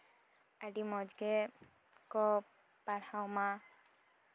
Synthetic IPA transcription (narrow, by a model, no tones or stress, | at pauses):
aɖimɔd͡ʒɡɛ | kɔ | paɾawma